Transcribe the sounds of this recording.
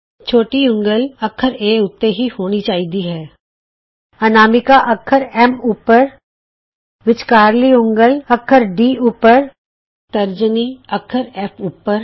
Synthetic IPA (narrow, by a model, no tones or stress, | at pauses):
t͡ʃʰoːʈiʊ̃ŋɡəlɐkʰːəɾeːʊt̪ːeɦihoːnit͡ʃaːɦid̪iɦɛː | ɐnaːmɪkaʔɐkʰːəɾɛmuːpəɾ | ʋɪt͡ʃkaːɾliʊ̃ŋɡəlɐkʰəɾɖiːuːpəɾ | t̪ɐɾd͡ʒəniɐkʰəɾɛːpʰuːpəɾ